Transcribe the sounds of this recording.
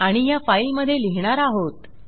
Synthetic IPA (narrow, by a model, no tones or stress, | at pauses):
aɽ̃ijafajlməd̪ʱːjeliɦɳ̃aɾaɦot̪